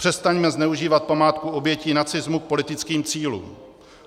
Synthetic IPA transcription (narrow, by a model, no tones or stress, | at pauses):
r̝̥ɛst̪aɲmɛznɛuʒiːvat̪̚pamaːt̪kuo̞bjɛciːnat͡sɪzmuk̚po̞lɪt̪ɪt͡skiːmt͡siːlṵːm